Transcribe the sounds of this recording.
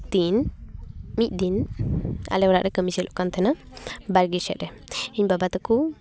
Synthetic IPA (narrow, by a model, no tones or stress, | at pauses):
t̪in | mic̚ˀdin | a̰lɛwɾa̰ʔɾɛkəmisilʔɔʔkant̪ɛna | baɾɡisɛ̰ʔ̪ɾɛ | iɲbabat̪ɛku